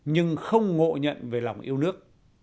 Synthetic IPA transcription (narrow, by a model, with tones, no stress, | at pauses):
ɲɨ˧ŋxə˧wŋ͡mŋo̰˧˨ɲə̰˧˨nve˨˩la˨˩wŋ͡mʔi˧əwnɨ˦˥ək̚